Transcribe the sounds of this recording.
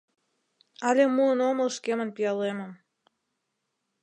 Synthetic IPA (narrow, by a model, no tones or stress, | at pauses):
ɑlʲemuənomə̆lʃkemə̆npijɑleməm